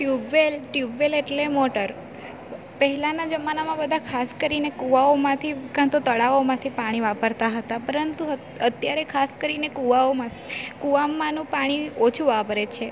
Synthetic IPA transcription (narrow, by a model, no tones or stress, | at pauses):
ʈjubʋelʈjubʋeleʈlemɔʈəɾ | pəɦɛlanad͡ʒəmanamãbəd̪ʱakʰaskəɾinekuʋaomãt̪ʰikãt̪ot̪əɭaomãt̪ʰipaɽ̃iʋapəɾt̪aɦət̪apəɾənt̪u | ət̪jaɾekʰaskəɾinekuʋaomã | kuʋamːãnũpaɽ̃iot͡ʃʰuʋapəɾet͡ʃʰe